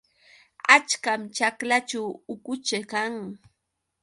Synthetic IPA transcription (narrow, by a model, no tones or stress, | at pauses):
at͡ʃkamt͡ʃaklat͡ʃawʊkʊt͡ʃakaŋ